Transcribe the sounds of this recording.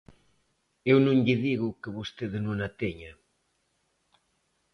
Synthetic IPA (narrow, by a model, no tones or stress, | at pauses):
ewnũŋʎɪðiɣʊkeβust̪eðnũnat̪eɲa